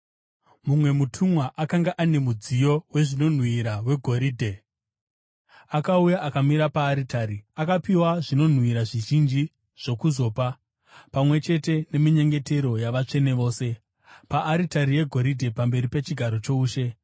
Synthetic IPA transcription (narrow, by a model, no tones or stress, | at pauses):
mumwe̞mutʰumwaʔakaŋɡaʔane̞mud͡zijo̞we̞ʐino̞n̤wiɾawe̞ɡʱo̞ɾiːdʱe̞ | akaujaʔakamiɾapaːɾitaɾiakapiwaʐino̞n̤wiɾaʐiʒind͡ʒi | ʐ̥o̞kuzo̞ːpa | pamwe̞t͡ʃe̞te̞ne̞miɲe̞ŋɡe̞te̞ɾo̞jaʋat͡ʂe̞neʋo̞ːse̞ | paʔːɾitaɾije̞ɡʱo̞ɾidʱe̞pambe̞ɾipet͡ʃiɡʱaɾo̞t͡ʃo̞uːʃe̞